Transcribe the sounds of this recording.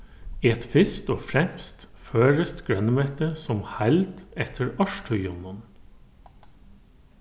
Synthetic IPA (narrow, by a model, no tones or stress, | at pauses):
iːɛt̪fɪst̪oːfɾɛmst̪føːɹəst̪ɡ̥ɹœnəmøːt̪əsɔmhæld̪ɛt̪ʰəɹɑʃʈʰœʏʊnɔn